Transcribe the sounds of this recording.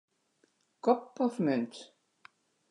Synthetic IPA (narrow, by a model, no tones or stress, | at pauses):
kɔpːɔvmʏnt̪